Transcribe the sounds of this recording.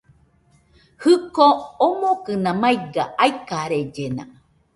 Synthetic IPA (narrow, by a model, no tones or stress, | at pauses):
hɨkoːmokɨnãmajɡaʔaikaɾed͡ʒenã̰